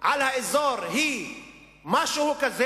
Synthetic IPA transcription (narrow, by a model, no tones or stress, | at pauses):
ʕalhaɪzɔɾɦiː | maʃʊhukazɛ